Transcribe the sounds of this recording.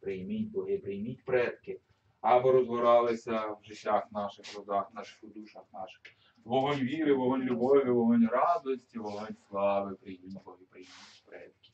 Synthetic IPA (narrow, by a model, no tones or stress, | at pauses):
pɾɪjmit̚ʲbɔɦɪpɾɪjmʲitʲpɾɛt̪̚kɪ | ɐbɔɾɔzʋɔɾɑlˠɪsʲɐwʒɪtʲːaxnɑʃɪxrɔd̪ɑxnɑʃɪ̥xʊd̪uʃɐxnɑ̰ʃɪ̥x | ʋɔɦɔnʲʋʲiɾɪʋɔɦɔnʲlʲʊbɔʋʲɪʋɔɦɔnʲɾɑd̪ɔsʲtʲiʋɔɦɔnʲslˠɑʋɪpɾɪjmimɔbɔɦɪpɾɪjmʲiitʲpɾɛ̰t̪̚kɪ̥